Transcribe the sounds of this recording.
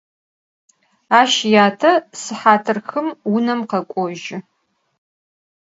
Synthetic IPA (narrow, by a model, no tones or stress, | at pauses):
aːʃjaːtʰɐsɨħaːtʰɨrxɨmwʊnɐmqɐkʷʼɔʒɪ